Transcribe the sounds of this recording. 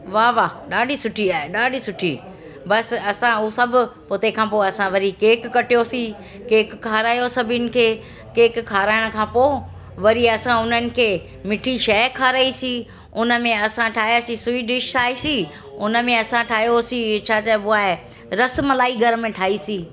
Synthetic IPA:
ʋaːʋaːɗaːɖʱisʊʈʰiaːɦeɗaːɖʱisʊʈʰḭː | bɐsɐsãʊɦosɐbʊ̆pot̪ekʰãːpoːɐsãʋɐɾikeːkːɐʈʰijosi | keːkkʰːaːɾaːjosɐbʱɪnɪ̆kʰeː | keːkkʰaːɾaːɪɽ̃̆kʰãːpoː | ʋɐɾiɐsãʊnənɪ̆kʰeː | mɪʈʰiʃɐkʰaːɾəisĩ | ʊnə̆mẽɐsãʈʰaːɦjasisʊiɖɪʃʈʰaːɦisi | ʊnə̆mẽɐsãʈʰaːɦijosĩt͡ɕʰaːt͡ɕaeʊaːɦe | ɾɐsmɐlaːiɡɐɾmẽʈʰaːɦisiː

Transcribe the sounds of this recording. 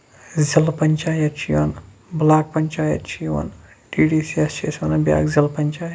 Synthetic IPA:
zʲɐlpɐɲʲt͡ʃaːjɐt̪t͡ʃʰiʋɐnblaːk̚pɐɲʲt͡ʃaːjɐ̰t̪t͡ʃʰiːʋɐ̰n | ʈiːɖiːsiɐst͡ʃeːsʋɐnɐbʲja̰ːɡzʲɐlpɐnʲt͡ʃaːjɐ

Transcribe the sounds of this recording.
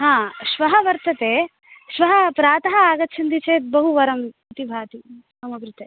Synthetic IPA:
ɦãːʃʋɐɦɐʋɐɾt̪ɐt̪eː | ʃʋɐɦɐpɾaːt̪ɐɦɐaːɡɐtːt͡ʃʰɐnd̪it͡ʃeːt̪̚bɐɦuʋɐɾɐmɐt̪ibʱaːt̪isɐmɐbɾɪt̪e

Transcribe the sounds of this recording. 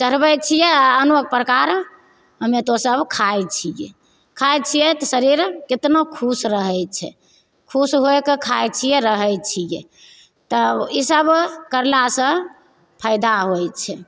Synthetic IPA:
t͡ʃəɾbɛt͡ʃʰijɛaənuək̚pɾəkaɾ | ɦəmet̪osəbkʰajt͡ʃʰijɛ̰ | kʰajt͡ʃʰijɛt̪ɔsəɾiɾket̪nokʰusɾəɦɛjt͡ʃʰɛ̰ | kʰusɦojkəkʰajt͡ʃʰijɛɾəɦɛjt͡ʃʰijɛ | t̪əisəbkəɾlasə̃ | pʰəjd̪aɦojt͡ʃʰɛ

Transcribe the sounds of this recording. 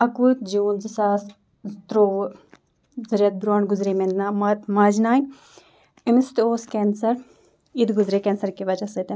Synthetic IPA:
ɐkult̪d͡ʒuːnzisaːs | zt̪ɾoː | zɐɾiɐt̪̚bɾoːɳɡʊzɾemẽnd̪naːmɐt̪mad͡ʒnaːi | ɪmɪsʈoːskɛːnsɐɾ | id̪ɡʊzɾekɛːnsɐɾkeʋɐd͡ʒasɐt̪e

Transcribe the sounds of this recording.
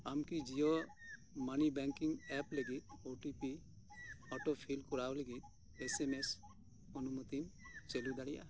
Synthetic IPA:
amkid͡ʒijo | manibɛŋkiŋɛpleɡit̪̚oʈipi | ɔʈopʰilkɔɾawleɡit̪̚ | esemes | ɔnumut̪imt͡ʃelud̪aɽija̰

